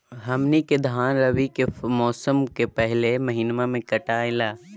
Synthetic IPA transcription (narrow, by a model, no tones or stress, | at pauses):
ɦɐmniked̪ʱaːnɾɐʋikemɔːsəmkepɛɦlemɐɦinmamẽkɐʈaːẽlaː